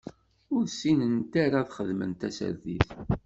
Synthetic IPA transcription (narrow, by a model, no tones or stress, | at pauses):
ʊɾsinənt̪aɾaðχəðmə̰nt̪æsə̰ɾðḭθ